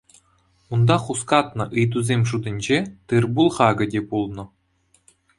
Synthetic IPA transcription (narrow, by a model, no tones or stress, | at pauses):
und̪ɑχuskɑt̪nɤ̆ʔɯjd̪uzʲemʲʐud̪ɘ̆nʲd͡ʑet̪ɯrbulˠχɑɡɤ̆dʲepulˠnɤ̆